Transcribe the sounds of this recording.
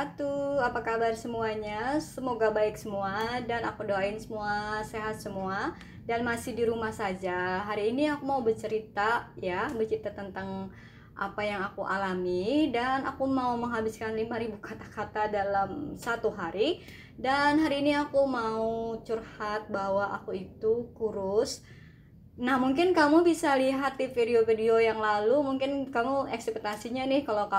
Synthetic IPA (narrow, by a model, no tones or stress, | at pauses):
at̪uapakabarsəmuaɲasəmoɡabaɪksəmuadana̰kudoaɪnsəmuaseɦat̪̚səmua | danmasɪhdiɾumahsad͡ʒaɦaɾiːniakumaubərt͡ʃəɾit̪ajabərt͡ʃəɾit̪at̪ənt̪aŋ | ʔa̰pajaŋakuʔalamidanakumauməŋɦabɪskanlimaɾibukʰat̪akat̪adalamsat̪uɦaɾi | danɦaɾiːniakumaut͡ʃurhat̪̚baɦwaʔakuit̪ukuɾʊs | nahmuŋkɪnkamubisaliɦat̪̚difideofideojaŋlalumuŋkɪnkamuɛksɛk̚t̪asiɲanɪhkalawka